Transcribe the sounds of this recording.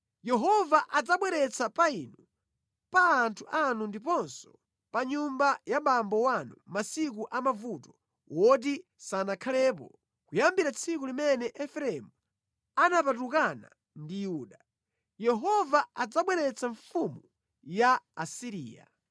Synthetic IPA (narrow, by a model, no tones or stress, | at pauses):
jɛɦɔvaʔad͡zaɓwɛɾɛt͡sʰapainu | paːntʰuʔanundipɔnsɔ̥ | paɲumbajamambɔwanumasik̬uʔamavutɔ̥ | wʔɔt̬i | sanakʰalɛːpɔ̰ | kujambiɾat͡sʰik̬ulimɛnɛʔɛfɾɛmu | anapat̬ukana̰ | ndijuːɗa | jɛɦɔvaad͡zaɓwɛɾɛt͡saɱfumu | jaːsiɾḭːja̰